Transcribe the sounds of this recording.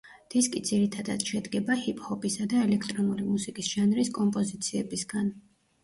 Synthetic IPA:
d̪̥iskʼid̪ziɾit̪ʰad̪a̰d̪̥ʃɛd̪ɡɛbahipʼhɔpʼisad̪aɛlɛkʰt̪ʼɾɔnulimusikʼisʒ̥anɾiskʼɔmpʼɔzit̪sʰiɛbisɡan

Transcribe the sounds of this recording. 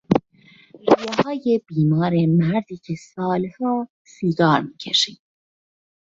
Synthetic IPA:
ɾujehɒːje̞b̥iːmɒːɾemæɾd̪iːcʰe̞sɒːlhɒː | siːɡɒːɾmiːcʰeʃiːd̪̥

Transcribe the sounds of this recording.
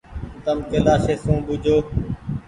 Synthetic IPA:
t̪əmkeːlaːseːsũːbʊd͡ʒʱoː

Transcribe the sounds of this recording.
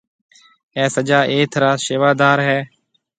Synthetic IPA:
ɛ̃ːsəd͡ʒaːʔeːt̪ʰɾaːʃeːʋaːd̪aːɾɦɛː

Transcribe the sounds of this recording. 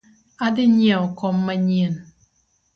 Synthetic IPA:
adɪɲɛɔkɔmːaɲen

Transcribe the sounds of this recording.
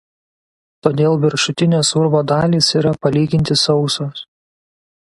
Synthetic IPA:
t̪oːd̪ʲeːlˠʋʲɪɾʃʊt̪ʲɪnʲoːsʊɾboːd̪ɑːlʲiːsiːɾɐpɐlʲiːɡʲɪnʲt̪ʲɪsɒʊsoːs

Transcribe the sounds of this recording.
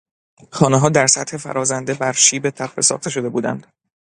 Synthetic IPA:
xɒːneɦɒːd̪æɾsæt̪he̞fæ̰ɾɒːzænd̪ebæɾʃiːbe̞t̪ʰæbfḛsɒ̰ːχt̪ʰe̞ʃ̬o̞d̪e̞buːd̪æ̰nd̪̥

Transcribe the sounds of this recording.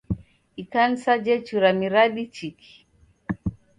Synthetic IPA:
ikansad͡ʒɛt͡ʃuɾamiɾaɗit͡ʃikʰi̥

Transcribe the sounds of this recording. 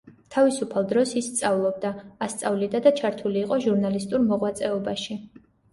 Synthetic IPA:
t̪ʰavisupʰalˠd̪ɾɔsisːt̪sʼavlˠɔb̚d̪aːst̪sʼavlid̪ad̪at͡ʃʰaɾt̪ʰuliːqʼɔʒuɾnalist̪ʼuɾmɔʁwat̪sʼɛɔbaʃi

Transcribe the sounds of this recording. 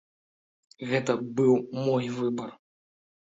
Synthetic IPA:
ɣɛt̪ɐbɨwmɔjvɨbɐr

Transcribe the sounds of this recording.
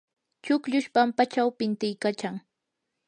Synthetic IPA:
t͡ʃʊkʎʊʃpampat͡ʃawpɪnt̪ɪjkat͡ʃaŋ

